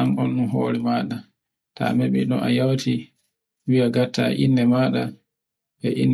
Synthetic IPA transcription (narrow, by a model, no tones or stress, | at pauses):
anɔnːunɦoːɾimaɗa | ta̰mɛɓḭɗɔ̰ʔa̰jawtʰi | wiaɡatːa̰ʔinːɛmaɗa | ɓɛʔinː